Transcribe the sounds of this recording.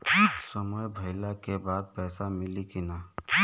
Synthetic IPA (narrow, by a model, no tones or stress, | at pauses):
səmɔjbʱəɪlakebaːd̪̚pɛːsamɪlikina